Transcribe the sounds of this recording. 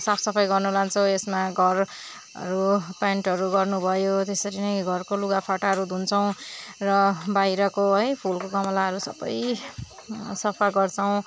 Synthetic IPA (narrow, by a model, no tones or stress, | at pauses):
sapʰsʌpʰʌjɡʌrnulant͡sʰʌwesmaɡʱʌr | ʌ̰ɾupaɳʈɦʌɾuɡʌrnubʱʌjot̪esʌɾinʌjɡʱʌrkoluɡapʰaʈaɦʌɾud̪ʱunt͡sʰʌw̃rʌbajɾʌkoɦʌjpʰulkokʌmʌlaɦʌɾusʌbʌ̰j | sʌpʰaɡʌrt͡sʰʌw̃